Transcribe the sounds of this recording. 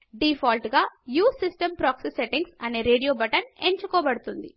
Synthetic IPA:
ɖifʰaːlʈɡaːjuːsisʈɐmpɾaːksiseʈiŋɡsɐne̞ːɾe̞ːɖijoːbɐʈɐneɲt͡ʃukɔːbɐɽut̪und̪i

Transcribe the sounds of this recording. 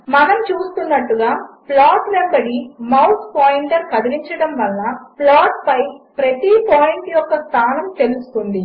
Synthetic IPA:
mɐnɐmt͡ʃuːst̪unːɐʈːuɡaːplaːʈmembɐɽimɐwt̪poːjɳɖɐɾkɐd̪iɾiɲt͡ʃɐɽɐmʋɐlːɐplaːʈpɐjpɾɐt̪ipoːjiɳʈjɔkːɐst̪ʰaːnɐmt̪e̞lusu̥k̪und̪i

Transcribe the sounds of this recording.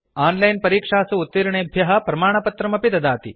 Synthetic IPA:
aːnlɐjnpɐɾiːkʂaːsɐut̪ːiɾɐɳeːɐbʱjɐɦɐpɾɐmaːɳɐpɐt̪ɾɐmɐpid̪ɐd̪aːt̪i

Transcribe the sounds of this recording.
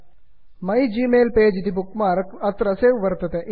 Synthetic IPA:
mɐjd͡ʒiːmeːlpeːd͡ʒit̪ibukmaːɾɐkɐt̪ɾɐseːʋɐɾt̪ɐt̪eʔ

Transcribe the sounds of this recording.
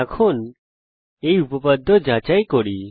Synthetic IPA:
akʰun | ejupɔpad̪ʱːɔd͡ʑat͡ɕajkɔɽi

